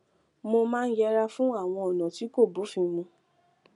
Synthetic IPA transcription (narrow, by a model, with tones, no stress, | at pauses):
mo˧mãː˦˧n̩˦jɛ˧ɾa˧fũ˦a˦˨w̃ɔ̃˧ɔ˨nã˨ti˨˦ko˦˨bu˨˦fĩ˧mũ˧